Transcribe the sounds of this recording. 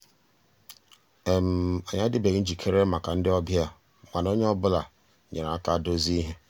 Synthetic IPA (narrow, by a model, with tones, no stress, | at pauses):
e˨m̩˨ɔ˨ɲa˦dɪ˦be˨ɣn̩˦d͡ʒi˨kʰe˦ɾe˦ma˨ka˨n̩˦dɪ˦ɔ˦bja˦ | ŋʷa˨no˦ɲ˦ɔ˦bʊ˦la˨ | ɲe˨a˨a˦ka˦˨do˦zi˦i˦ɦe˦